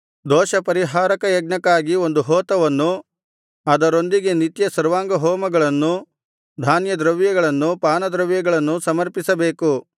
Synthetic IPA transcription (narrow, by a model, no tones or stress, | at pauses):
d̪ɔːʃɐpɐɾiɦaːɾɐkɐjɐɡɳɐkːaːɡio̞nd̪uɦɔːt̪ɐʋɐnːu | ɐd̪ɐɾo̞nd̪iɡe̞nit̪jɐsɐɾʋaːŋɡɐɦɔːmɐɡɐɭɐnːu | d̪ʱaːnjɐd̪ɾɐʋjɐɡɐɭɐnːupaːnɐd̪ɾɐʋjɐɡɐɭɐnːusɐmɐɾpisɐbe̞ːku